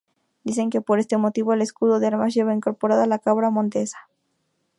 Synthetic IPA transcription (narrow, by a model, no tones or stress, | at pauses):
d̪ise̞ŋke̞po̞ɾe̞st̪e̞mo̞t̪iβo̞ele̞skuðoðeaɾmaʝeβaiŋko̞ɾpo̞ɾaðalakaβɾamõ̞nt̪e̞sḁ